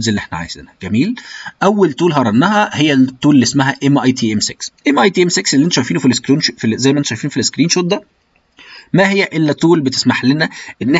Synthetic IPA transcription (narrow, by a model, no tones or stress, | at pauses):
zelːiʔeħnæʕa̰jḛzḛnæɡ̥æmiːlʔæwːelt̪uːlɦɑɾˤɑnːæɦæhejːæt̪ːuːlelːismæɦæʔemʔɑjt̪ʰiːʔemseksʔemʔɑjt̪iːʔemsekselːʔnt̪ːʃæjfiːnufilskɾiːnʃfizæjːmæʔænt̪ːʃæjfiːnfileskɾiːnʃot̪̚d̪æ | mæɦejːæʔelːæt̪uːlbet̪e̥smaħlenæʔenːe